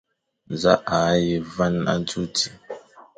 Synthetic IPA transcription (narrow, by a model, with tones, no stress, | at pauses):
n˨za˦ʔa˨˦ji˦va˦na̰˦nt͡su˦ti˨